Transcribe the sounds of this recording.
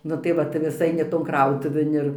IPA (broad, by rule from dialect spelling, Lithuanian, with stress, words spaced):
ˈnʊ tɐɪ ˈʋɐ tɐɪ ʋʲɪs ˈɐɪnʲɪ ˈtoːn ˈkrɐʊtʊʋʲeːn ɪr